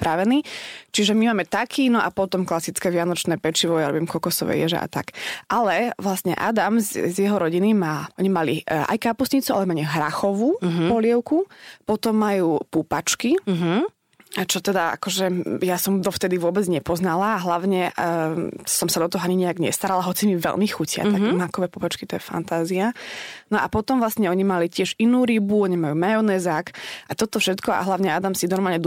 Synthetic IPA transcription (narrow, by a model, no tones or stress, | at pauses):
pɾaʋɛniːt͡ʃiʒɛmimaːmɛt̪akʰiːnɔʔapɔt̪ɔmklasit͡skɛːʋɪanɔt͡ʃnɛːpɛt͡ʃiʋɔjaɾɔbiːmkɔkɔsɔʋɛ̰jɛʒɛ̰ʔa̰t̪a̰kʔalɛʋlasɲɛ̰ʔa̰d̪amzzjɛɦɔɾɔɟinimaːʔɔɲimalia̰jkaːpusɲit͡sua̰lɛmaɲɛɦɾaxɔʋuːɦpɔlɪɛʊkupɔt̪ɔmːajuːpupat͡ʃkiɦ | t͡ʃɔt̪ɛd̪aa̰kɔʒɛjasɔmd̪ɔft̪ɛd̪iʋʊɔbɛd͡zɲɛpɔznalaːɦlaʊɲɛ | sɔmsad̪ɔt̪ɔɦɔaɲiɲɛjaɡɲɛ̰st̪aɾalaɦɔt͡simiʋɛ̰lmixucɪa̰t̪aɛmakɔʋɛpupat͡ʃkit̪ɔjɛfa̰nt̪aːzianɔʔapɔt̪ɔmʋlasɲɛɔɲimalicɪɛʒinuːɾibuɔɲɛmajuːmajɔnɛzakʔat̪ɔt̪ɔfʃɛt̪kɔa̰ɦlaʊɲɛad̪amsinɔɾmalɲɛd̪